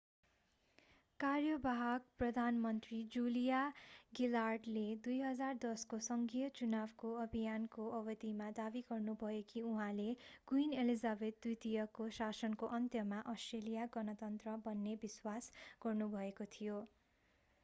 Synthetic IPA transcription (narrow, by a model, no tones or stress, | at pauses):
karjʌbaɦʌɡprʌd̪ʱanmʌnt̪rid͡zulijaɡilarɖled̪ujɦʌd͡zard̪ʌskosʌŋɡijʌt͡sunabkoʌbʱijankoʔʌbʌd̪imad̪abiɡʌrnubʱʌjekiuɦãleɡ̥uinelizabed̪̚ːujt̪ijʌkosasʌnkoʔʌnt̪jʌmaʔʌsʈrelijaɡʌnʌt̪ʌnt̪rʌbʌnːebiswasɡ̥ʌrnubʱʌekot̪ʰijo